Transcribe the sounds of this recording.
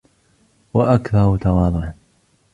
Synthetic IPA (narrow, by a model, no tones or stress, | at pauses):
waʔakθɑɾˤʊt̪ɑwɑːðˤʊʕ